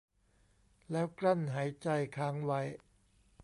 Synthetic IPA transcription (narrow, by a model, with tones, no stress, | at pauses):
lɛː˦˥wkɾa˥˩nɦaː˩˦jt͡ɕa˧jkʰaː˦˥ŋwa˦˥j